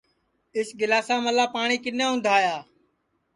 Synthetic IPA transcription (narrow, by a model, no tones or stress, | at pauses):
ɪsɡɪlaːsãːməlaːpaːɳ̃iːkɪnãːʊ̃nd̪ʱaːjaː